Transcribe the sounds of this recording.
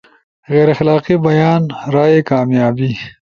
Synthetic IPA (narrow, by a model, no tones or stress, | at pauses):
ɣeːɾaxlɑːqibɐjɑːnɾɑːjekɑːmjɑːbi